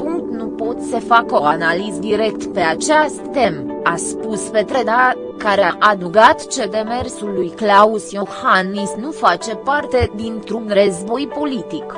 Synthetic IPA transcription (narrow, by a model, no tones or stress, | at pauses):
puŋkt̪nupo̞t̪səfako̞analizd̪iɾe̞kt̪pe̞at͡ʃeast̪ːe̞maspuspet̪ɾed̪a | kaɾeaʔad̪uɡat̪t͡ʃe̞d̪e̞me̞rsulːujklausjohanːisnufat͡ʃe̞part̪e̞d̪int̪ɾub̪rəzvo̞jpo̞lit̪ik